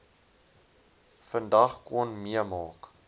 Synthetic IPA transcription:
fəndɐχkɔnmiəmɑːk

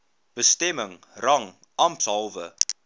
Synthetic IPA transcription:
b̥əstɛməŋ | rɐŋ | ʔɐmpsɐlˠvə

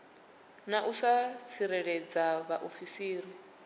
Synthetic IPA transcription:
naʔusat͡sʰiɾɛɺɛd͡zaβaʔofisiːɾi

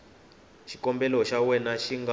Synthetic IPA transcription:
ʃikɔmbɛlɔʃawɛnaʃiŋɡa

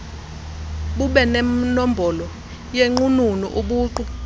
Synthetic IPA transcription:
ɓuɓɛnɛm̩nombʱɔlɔ | jeŋ͡ǃununḭʔuɓuːǃu

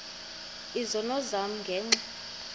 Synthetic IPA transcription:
izɔnɔzam̩ŋɡʱɛːŋ͡ǀɛ

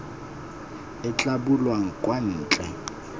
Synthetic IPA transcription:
ɪt͡ɬʼabʊlwaŋ̩kʼwan̩ːt͡ɬʼɛ

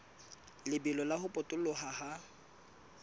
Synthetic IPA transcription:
lɪbɪlɔlahʊpʼʊtʼʊlʊɦaha

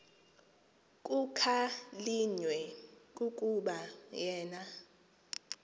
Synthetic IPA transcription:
kʼukʰaliɲwɛkʼukʼuɓajɛːna

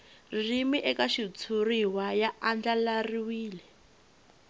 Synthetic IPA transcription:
rimiʔɛkaʃit͡sʰuriwajaʔand͡ɮalariwiːlɛ

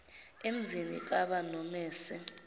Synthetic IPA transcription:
em̩zinḭk̬ʼaɓanɔmɛːsɛ

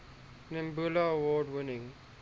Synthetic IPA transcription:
nɪmbulawɔːɖwɪnɪ̃ŋ

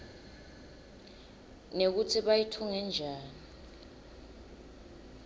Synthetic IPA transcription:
nek̬utʰiɓajitʰuŋɛnd͡ʒʱaːni

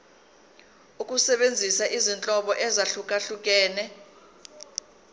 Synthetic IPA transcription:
ukʼusɛɓend͡zʱisaʔizint͡ɬʼɔɓɔʔɛzaɬukʼaɬuk̬ʼɛːnɛ

